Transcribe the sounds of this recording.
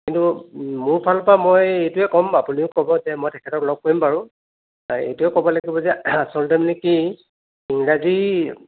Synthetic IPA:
kintumʊɹpʰalpamɔjejtʊɛkɔmapuniʊkɔbɔzɛmɔjtʰɛkʰɛtɔklɔɡ̚koɹimpaɹʊ̃ | ḛjtʊɛkɔbɔlaɡibɔzɛasɔldɔmniki | iŋɹazi

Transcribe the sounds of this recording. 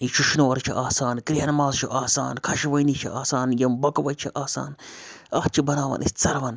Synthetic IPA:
iʃuʃnoːʋɐɾt͡ʃʰḭʔaːsaːnkɾiɦɐnmaːzt͡ʃʰiʔaːsa̰ːnkʰɐʃʋɐjnit͡ʃʰiʔaːsaːnjɐmbɐkʋɐjt͡ʃʰiʔaːsa̰ːnɐht͡ʃʰibɐnaːʋɐ̰nʔḭst͡sɐɾʋɐn

